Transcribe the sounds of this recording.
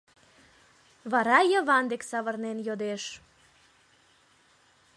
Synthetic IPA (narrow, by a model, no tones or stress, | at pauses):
βɑɾɑjəβɑnd̪eksɑβərnenjod̪eʃ